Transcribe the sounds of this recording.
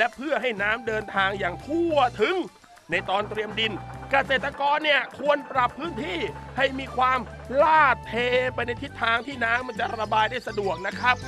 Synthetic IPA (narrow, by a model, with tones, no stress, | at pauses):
lɛ˦˥ʔpʰɯ˥˩ɐɦa˥˩jnaː˦˥mdɤː˧nt̪ʰaː˧ŋjaː˨˩ŋt̪ʰu˥˩ɐt̪ʰɯ˨˦ŋ | na˧jt̪ɔː˧nt̪ɾi˧əmdi˧nka˧seː˨˩t̪ːa˧kɔː˧nːi˥˩ɐkʰu˧ənpɾa˨˩pʰːɯː˦˥nt̪ʰiː˥˩ha˥˩jmiː˧kʰwaː˧mlaː˥˩t̪̚ʰeː˧pa˧jna˧jt̪ʰi˦˥t̪ʰːaː˧ŋt̪ʰiː˥˩naː˦˥mːa˧nt͡ɕa˨˩ʔɾa˧baː˧jdaː˥˩jsa˧du˨˩ək̚na˦˥kʰɾa˦˥p̚